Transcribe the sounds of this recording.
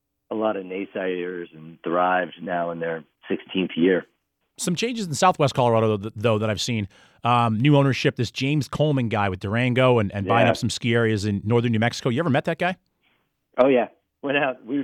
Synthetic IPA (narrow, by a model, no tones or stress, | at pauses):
əlɔɾʌneɪsaɪɾə˞zɨ̃nd̥ɹaɪvdnaʊə̃nðə˞ | sɪkstʰĩnθjɪɹ | sʌ̃mt͡ʃʰẽɪ̃nd͡ʒɨzn̩saʊθwɛst̚kʰɑlˠə˞ɑɾoʊðoʊðəɾaɪv̥sĩn | ʌnʉõʊ̃nə˞ʃɪp̚ðɪsd̥ʒ̥ẽɪ̃mz̥kʰoʊlˠmɪ̃ŋɡaɪwɨðdə˞æ̃ŋɡoʊə̃nɨ̃nbaɪɪ̃ŋʌpsʌ̃m̩skiɛɹiɨzɨ̃nːɔɹðə̃˞nʉmɛksɨ̥koʊjɨɛvə˞mɛt̪̚ðɨt̚ɡ̥aɪ | ʔoʊjæ | wɛ̃naʊt̚wi